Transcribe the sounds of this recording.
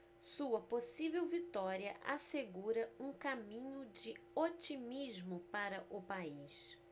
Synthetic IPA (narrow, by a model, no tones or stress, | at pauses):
suɐposivewvit̪ɔɾiɐʔa̰seɡuɾɐũkamĩɲʊd͡ʒɪot͡ʃimizmʊpaɾɐʔʊpaiʃ